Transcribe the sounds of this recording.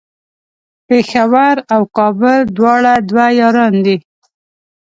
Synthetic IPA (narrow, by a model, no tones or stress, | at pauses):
pexawaɾawkɑbʊld̪wɑɽad̪wajɑɾɑnd̪i